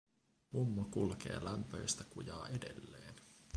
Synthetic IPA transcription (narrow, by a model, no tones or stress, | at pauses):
mumːokulke̞̰ːlæmpøjst̪ækujɑːʔede̞̰lːeːn